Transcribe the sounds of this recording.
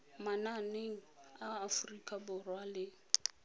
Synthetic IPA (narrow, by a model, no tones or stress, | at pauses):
mananeŋ̩aːfʊrikʼabʊrwalɪ